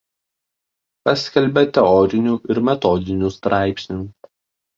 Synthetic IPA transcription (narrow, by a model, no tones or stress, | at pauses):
pɐsʲkʲɛlʲbʲɛt̪ʲɛɔɾʲɪnʲuːʔɪɾmʲɛt̪ɔd̪ʲɪnʲuːst̪ɾʔɑˑɪpʲsʲnʲuː